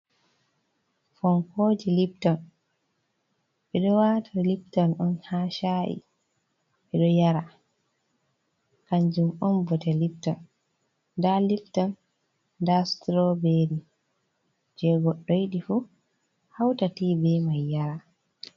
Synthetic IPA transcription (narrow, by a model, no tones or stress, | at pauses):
fɔŋkoːd͡ʒiliptɔn | ɓɛɗɔwatʰaliptɔnʔɔnhaːʃaʔḭ | ɓɛɗɔjaɾa | kand͡ʒumɔnbɔtɛliptɔn | daliftɔnː | dastɾɔbeɾi | d͡ʒɛɡɔɗːɔjɗifu | hawtatiːbɛmajːaɾa